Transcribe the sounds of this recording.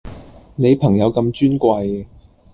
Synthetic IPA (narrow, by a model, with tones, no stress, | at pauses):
ne˨˧jpʰɐ˨˩ŋjɐ˨˧wkɐ˧mt͡ʃyː˥nkʷɐ˧j